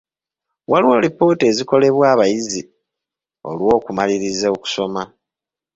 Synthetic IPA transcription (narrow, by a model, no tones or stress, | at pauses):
waliwo̞ːlipo̞ːte̞ːziko̞le̞βwaːβajizi | o̞̰lwo̞ːkumaliɾizeoku̥so̞ma